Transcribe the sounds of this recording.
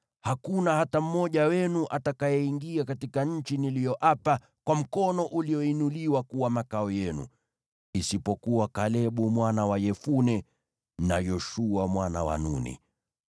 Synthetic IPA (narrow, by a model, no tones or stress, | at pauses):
hakunahatam̩mɔʄawɛnuʔatakajɛiŋɡiakatikaɲ̩t͡ʃinilijɔʔapa | kwam̩kɔnɔʔuliɔinuliwakuwamakaɔjɛnṵ | isipɔkuwakalɛɓumwanawajɛfunɛ | najɔʃuamwanawa̰nṵnḭ